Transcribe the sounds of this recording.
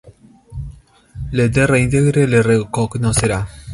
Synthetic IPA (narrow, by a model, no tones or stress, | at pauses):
led̪ereĩnt̪eɡɾelerekoknoseɾa